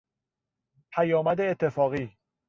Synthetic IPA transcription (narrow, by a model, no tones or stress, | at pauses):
pʰæjɒːmæd̪eːt̪ʰːe̞fɒːɣiː